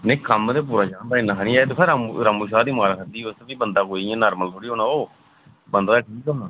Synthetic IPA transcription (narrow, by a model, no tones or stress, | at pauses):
neĩːkəmd̪eːp̬uːɾaːt͡ʃãːnd̪aːɪnãːɦanĩːaːt̪epʰeɾamɾaːmuːʃaːd̪iːmaːlkʰəɾd̪iːʊst̪ːbiːbənd̪aːkoːiãːnaːɾməlt̪ʰoːɽiːɦoːnaːoː | bənd̪aːaːʈʰiːkoːnaː